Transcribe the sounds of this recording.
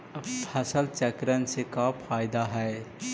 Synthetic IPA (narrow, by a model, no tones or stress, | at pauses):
pʰɐsəlt͡ʃəkɾənsekapʰaːjd̪aɦɛj